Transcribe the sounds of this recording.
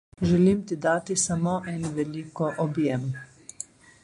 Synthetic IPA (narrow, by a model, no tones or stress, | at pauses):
ʒɛliːmt̪id̪aːt̪isamoːʔɛnʋɛliːkɔʔɔbjɛm